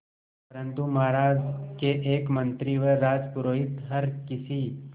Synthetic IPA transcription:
pɐɾə̃nt̪umaːɾaːd͡ʒkeʔeːkmɐ̃nt̪ɾiʋeɾaːd͡ʒpʊɾoːɦɪt̪ɦɐɾkɪsi

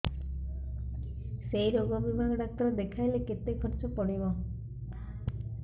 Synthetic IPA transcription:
sejɾoɡɔbibʱaɡɔɖak̚t̪ɔɾed̪ekʰajleket̪ekʰɔɾt͡ʃɔpɔɽibɔ

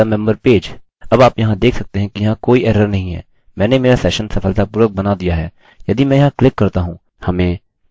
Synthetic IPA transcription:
amɛ̃mbəɾpeːd͡ʒ | ɐbaːpjɐɦãd̪eːkʰsɐk̚t̪eɦɛ̃kijɐɦãkoːiʔɛːɾəɾnɐɦĩɦɛ̰ː | mɛ̃ːnemeːɾasɛːʃənsɐfʰəlt̪apʊɾək̚bɐnad̪ijaɦɛː | jɐd̪imɛ̃ːjɐɦãklɪkːɐɾt̪aɦũː | hɐmẽː

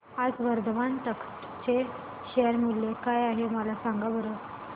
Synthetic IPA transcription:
ad͡zʋəɾd̪əʋant̪ək | t͡ɕe | ɕejəɾmulːekajaɦeməlasaŋɡabəɾə

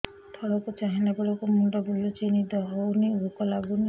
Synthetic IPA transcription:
t̪ʰɔɽɔkut͡ʃaɦinabɔɽɔkumuɳɖɔbulut͡ʃinid̪ɔɦowniukɔlaɡuni

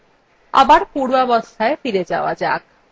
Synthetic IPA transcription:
a̰baɾpuɽuɔbost̪ʰaefiɾed͡ʑaoad͡ʑak̚

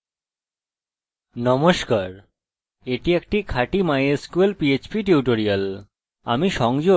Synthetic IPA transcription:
nɔmoʃkaɾ | eʈiek̚ʈikʰaʈimajeskuelpiet͡ɕpiʈ̬iuʈoɾial | a̰miʃɔŋd͡ʑo

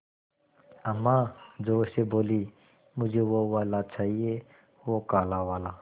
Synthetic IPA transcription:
ɐmːad͡ʒoʊseboːliː | mʊd͡ʒʱeːwowaːlat͡ʃaːɦie | wokaːlaʋaːlaː

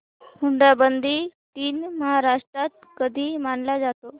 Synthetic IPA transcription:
muɳɖabənd̪ʱiːt̪iːnməɦaɾaʂʈɾat̪̚kəd̪ʱiːmaɳlad͡zat̪o

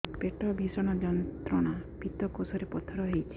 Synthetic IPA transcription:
peʈɔbʱisɔɽ̃ɔd͡ʒɔnt̪ɾɔɽapit̪ɔkosɔɾepɔt̪ʰɔɾɔɦejt͡ʃʰi̥

